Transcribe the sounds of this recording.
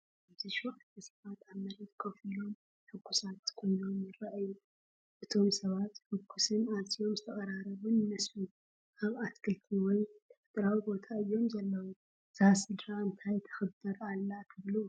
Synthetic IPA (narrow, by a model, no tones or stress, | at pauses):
aβzɨʃwɔħt̪t̪ʰɐsɐβat̪ʰamɐɾit̪kʰɐfɨlom | ħʊɡːusat̪kʰo̞jno̞mjɪɾaʔajːu | ʔɨt̪ʰo̞msɐβat̪ħɨɡʰːusɨnazʼio̞mzɨt̪ʰɐχʼɐɾaɾɐβunnɨslu | ʔaβaskʰɨlt̪ʰiwɔjt̪ʰɐ̥fɨt̪ʼɾawibo̞t̪ʰaɨjːo̞mzɐlːɐwu | z̥asɨlɾaɨnt̪ʰajt̪ʰɐ̥xɨbɨɾalːat̪ʰɨβlu